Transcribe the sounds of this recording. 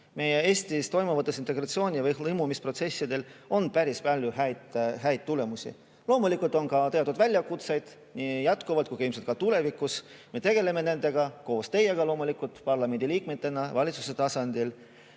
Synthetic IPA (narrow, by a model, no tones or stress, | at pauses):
me̞jeeːsʲt̪ist̪o̞jmuvɑt̪ːˑesint̪eɡɾɑt̪sio̞ːnʲivɯjlɤjmumispro̞t̪se̞sːid̪e̞lo̞npæɾispɑlʲjuhæt̪ɦæjd̪̥̚t̪ːule̞musḭ | lo̞ːmulikːˑult̪ːˑo̞nkɑt̪e̞ɑt̪ːud̪vælʲjɑkut̪sejd̪̥ | niːjɑt̪ˑkuvɑlt̪kujkimselt̪kɑt̪ule̞vikus | me̞t̪e̞ɡe̞le̞me̞ne̞nd̪̥e̞ɡ̥ɑko̞ːst̪e̞je̞ɡɑlo̞ːmulikːˑult̪pɑrlɑmend̪iliːk̚met̪ːˑe̞nɑvɑlʲit̪su̥se̞t̪ɑsɑnd̪̥il